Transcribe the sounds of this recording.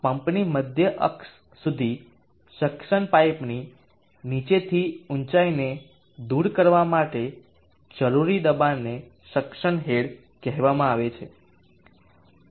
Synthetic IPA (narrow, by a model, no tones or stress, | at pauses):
pəmpniməd̪ʱjəʔə̰ks | sud̪ʱi | ʃəkʃəɳpajpni | nit͡ʃet̪ʰiunt͡ʃaine | d̪uɾkəɾʋamaʈe | d͡ʒəɾuɾid̪əbanːe | ʃəkʃəɳɦeɽ | kɛɦʋamãaʋet͡ʃʰe